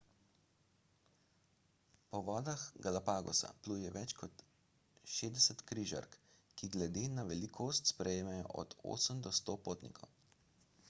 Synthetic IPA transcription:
pɔʋɔːd̪axɡalapaːɡɔ̰sa̰pluːjɛʋɛt͡ʃkɔt̪ | ʃeːzd̪ɛsət̪kɾiːʒa̰ɾk | kiɡlɛd̪eːnaʋɛlikʰoːst̪spɾɛjeːmɛjɔ̰ʔɔ̰d̪̥o̰ːsəmd̪ɔst̪oːpoːt̪nḭkʰɔ̰w

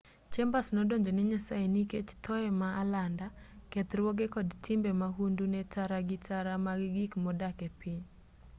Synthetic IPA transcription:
t͡ʃɛmbasnɔdoɲd͡ʒoniɲasaeniket͡ʃt̪ʰɔɛmaalandakɛt̪rwoɡekɔdtɪmbɛmaɦundunɛtaɾaɡɪtaɾamaɡɡikmɔdakɛpiɲ

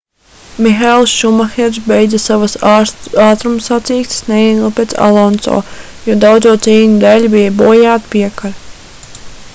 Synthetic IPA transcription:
mixalˠsʃumaxeɾsbejd̪zasavasaːt̪ɾumsat̪siːkt̪sneiɡlˠpʲet̪sa̰lˠɔnt̪sɔ̰ː | juɔd̪awd̪zuɔt̪siːɲud̪ælʲbijabuːjaːt̪piɛkaɾ

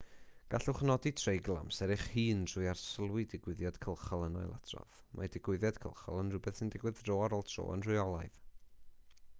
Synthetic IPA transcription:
ɡ̥aɬʊχnɔditʰrejɡlˠa̰msɛɾɪχhiːnr̥ʊjarsəlˠwɪdɪɡwɪðjɔd̥kʰəlˠχɔlˠənɔjlˠʔa̰tʰrɔ̰ð | mʔa̰dɪɡwɪðjɔd̥kʰə̰lˠχɔ̰lˠənrʊbɛθsɪndɪɡwɪðroːaɾoːlˠtʰro̰ːə̰nr̥ʊjɔlˠaɨð

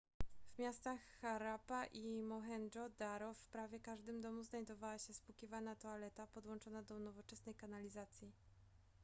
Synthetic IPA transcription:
vmʲjast̪axːaɾapaʔimɔxɛnɔd̪aɾɔfpɾavʲjɛkaʐd̪ɘmd̪ɔmuznajd̪ɔvawaɕɛspukʲivanat̪ɔalɛt̪apɔd̪wɔnt͡ʂɔnad̪ɔnɔvɔt͡ʂɛsnɛjkanalʲizat̪sʲji

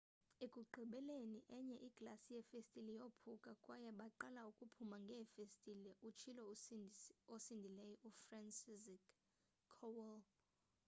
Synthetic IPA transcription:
ekʼuǃʱiɓɛleniʔɛɲɛʔiɡ̥lasijɛfestʼilijopʰukʼakʼwajɛɓaǃalaukʼupʰumaŋɡʱɛfestʼilɛʔut͡ʃʰilɔ | osindʱilɛjɔʔufransizikʰ | ɔwɛl

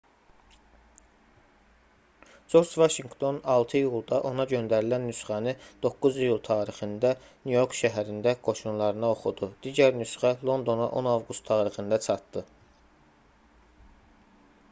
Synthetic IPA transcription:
d͡ʒo̞ɾd͡ʒvɑʃiŋkt̪ʰo̞nɑlˠt̪ʰɯjulˠd̪ɑʔo̞nɑɟø̞nd̪æɾilænːysχænɯd̪̥o̞kːuzijulˠt̪ʰɑːɾixɯnd̪æ | nujo̞ɾkʰʃæɦæɾind̪æɡ̥o̞ʃunlˠɑɾɯnɑo̞χud̪ud̪̥iːɟæɾnysχælˠo̞nd̪o̞nɑ̰ʔo̞nɑvɡust̪ʰːɑːɾixɯnd̪ɑt͡ʃʰɑt̪d̪ɯ

